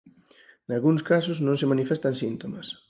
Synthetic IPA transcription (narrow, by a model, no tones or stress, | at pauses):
nalɣuŋskasʊznõŋsemanifest̪ansint̪omɐs